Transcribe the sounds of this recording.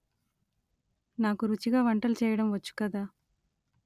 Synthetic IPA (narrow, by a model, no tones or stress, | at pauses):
naːkuɾut͡ʃiɡaːʋɐɳʈɐlut͡ʃɛːjɐɽɐmʋɐt͡ʃːu̥kɐd̪aː